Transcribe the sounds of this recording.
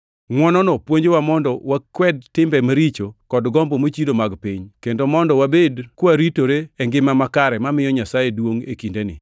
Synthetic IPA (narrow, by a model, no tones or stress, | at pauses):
ŋwɔnɔnɔpwoɲd͡ʒewamɔndɔwakwɛd̚tɪmbɛmaɾit͡ʃokɔdɡɔmbomot͡ʃidomaɡpiɲkendomɔndɔwabedkwaɾitoɾeɛŋɡɪmamakaɾɛmamɪjɔɲasajedwoŋekindenɪ̰